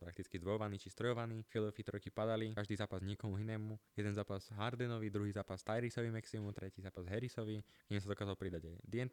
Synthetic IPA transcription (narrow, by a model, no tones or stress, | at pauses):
pɾakt̪it͡skizd̪ʋɔjɔʋaniːt͡ʃist̪ɾɔjɔʋaniːfɛlɔfit̪ɾɔjkipad̪alikaʒd̪iːzaːpazɲɪɛkɔmuɦinɛːmujɛd̪ɛnzaːpaz̥ɦaɾd̪ɛnɔʋid̪ɾuɦiːzaːpast̪ajɾisɔʋimaksimumt̪ɾɛciːzaːpazɦɛɾisɔʋiɡɲɛmsad̪ɔkaːzalpɾid̪aɟad̪ɪɛn